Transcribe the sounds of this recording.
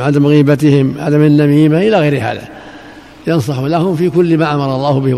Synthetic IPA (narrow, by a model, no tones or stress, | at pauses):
ʕad̪amɣiːbat̪ɪhɪmʕa̰d̪amanːamiːmaʔɪlaɣejɾɪha̰ːða̰ | jɑns̬ˤɑħuːlahʊmfiːkʊlːmaːʔamɑɾˤɑlˤːɑːhʊbɪh